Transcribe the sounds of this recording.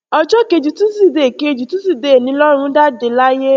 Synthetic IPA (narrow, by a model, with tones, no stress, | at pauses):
ɔ˧d͡ʒɔ˦ke˧˨d͡ʒu˨tũ˦si˦˨de˨ke˧d͡ʒu˨tũ˦si˦˨de˨nĩ˨˦lɔ˦ɾ̃ũ˧˦da˦de˨˧˦la˦je˦